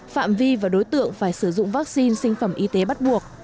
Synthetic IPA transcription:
fa̰ː˧˨mvi˧vaː˨˩ɗo˨˦jt̪ɨ̰˧˨əŋfaː˧˩jsɨ˧˩zʊ̰˧˨ŋ͡mvaː˦˥k̚si˧nsï˧ŋ̟fə˧˩mʔi˧t̪e˨˦ɓa˦˥t̚ɓu˨˩ək̚

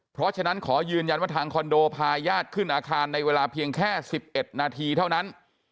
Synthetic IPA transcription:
pʰɾɔ˦˥t͡ɕʰa˧na˦˥nkʰɔː˩˦jɯː˧nja˧nwaː˥˩t̪ʰaː˧ŋkʰɔ˧ndoː˧pʰaː˧jaː˥˩t̪̚kʰɯ˥˩nʔaː˧kʰaː˧nːa˧jweː˧laː˧pʰi˧əŋkʰɛː˥˩si˨˩p̚ʔe˨˩t̪̚naː˧t̪ʰiː˧t̪ʰa˥˩wna˦˥n

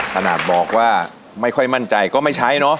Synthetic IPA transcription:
kʰa˧naː˨˩t̪̚bɔː˨˩k̚waː˥˩ | ma˥˩jkʰɔ˥˩jma˥˩nt͡ɕa˧jkɔː˥˩ma˥˩jt͡ɕʰa˦˥jnɔ˦˥

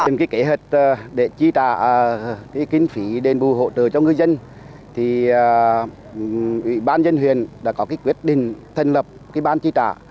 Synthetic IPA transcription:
e˨˩mkaː˨˦jke˨˦ɦe˨˩t̚ːɗe˧˩t͡ɕi˧t̪a̰ː˧˨kaː˨˦jkï˧ŋ̟fi˨˦ɗe˨˩nɓu˨˩ɦo̰˧˨t͡ɕə̰ː˧˩t͡ɕɔ˧ŋɨ˧jzə˧n | t̪ʰi˨˩˨ | ʔwḭ˧˨ɓaː˧nzə˧nhwḭ˨˧˨ənɗa̰ː˧˥kɔ˨˦kaː˨˦jkwi˦˥ət̚ɗḭ̈˧˨ŋ̟t̪ʰə˨˩n̟lə˨˩p̚ki˧˥ɓaː˧nt͡ɕi˧t̪a̰ː˧˨

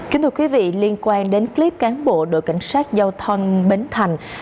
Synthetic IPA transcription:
kki˨˦t̪ʰɨ˧˩kwi˨˦vḭ˧˨li˧ənkwaː˧nɗe˨˦nkli˦˥p̚kaː˨˦nɓo̰˧˨ɗo̰˧˨jka̰˧˩jŋ̟saː˦˥t̚zaː˧wt̪ʰə˧wŋ͡mɓe˨˦nt̪ʰa˨˩jŋ̟

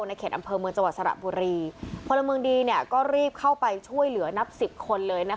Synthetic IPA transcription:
na˧jkʰeː˨˩t̪ʔa˧mpʰɤː˧mɯ˧əŋt͡ɕa˧ŋwa˨˩t̪̚sa˧ɾa̰˨˩buː˧ɾiː˧kʰo˧la˧mɯ˧ŋdiː˧ni˥˩əkɔː˥˩ɾiː˥˩p̚kʰa˥˩wpa˧jt͡ɕʰu˥˩əjlɯ˨˩˦ɐna˦˥p̚si˨˩p̚kʰo˧nlɤː˧jna˦˥

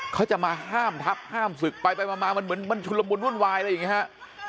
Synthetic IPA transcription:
kʰa˦˥wt͡ɕa˨˩ʔmaː˧ɦaː˥˩mt̪ʰa˦˥p̚haː˥˩msɯ˨˩k̚pa˧jpa˧jmaː˧maː˧ma˧nmɯ˩˦nma˧nt͡ɕʰu˧nla˧mbo˧nɾu˥˩ənwaː˧jla˧ja˨˩ŋːi˦˥ha˦˥ʔ

